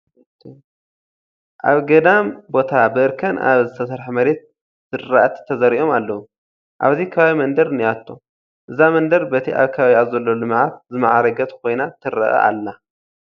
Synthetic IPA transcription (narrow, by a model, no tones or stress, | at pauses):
ʔaβɡɐd̪ambo̞t̪ʰabɨɨɾkʰɐna̰βzɨt̪ʰɐsɐɾħmɐɾe̞t̪̚ | z̥ɨɾːaʔat̪ʰt̪ʰːɐzɐɾiʔo̞malːɐwu | ʔa̰βzikʰɐβaβimɐnd̪ɐɾɨnijat̪ʰːo | ʔɨzamɐnd̪ɐɾbɐt̪ʰiʔa̰βkʰɐβaβiaβzɐlːolɨmʕat̪̚zɨmɐʕaɾɐɡɐt̪kʰo̞jnat̪ʰɨɾɐ̰ʔɐ̰ʔa̰lːa